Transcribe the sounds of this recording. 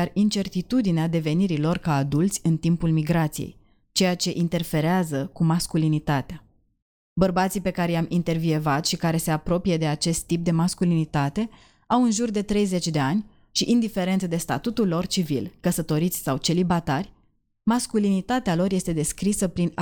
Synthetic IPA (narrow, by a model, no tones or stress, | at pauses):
jarint͡ʃe̞rt̪it̪ud̪inead̪e̞ve̞niɾilo̞rkaːd̪ult̪sʲɨnt̪impulmiɡɾat̪sijḛj | t͡ʃe̞jat͡ʃe̞ʔint̪e̞rfe̞ɾeazəkumaskulinit̪at̪ea | bərbat̪sipe̞kaɾe̞jamʔint̪e̞rvie̞vat̪ʃikaɾe̞se̞apɾo̞pije̞d̪e̞at͡ʃe̞st̪ːip̚d̪e̞maskulinit̪at̪e̞ | awɨnʒurd̪e̞t̪ɾe̞jze̞t͡ʃʲd̪e̞anʲ | ʃiʔind̪ife̞ɾe̞nt̪səd̪e̞st̪a̰t̪ut̪ulːo̞rt͡ʃivilkəsət̪o̞ɾit̪sʲsawt͡ʃe̞libat̪arʲ | maskulinit̪at̪ealo̞rje̞st̪e̞d̪e̞skɾisəpɾin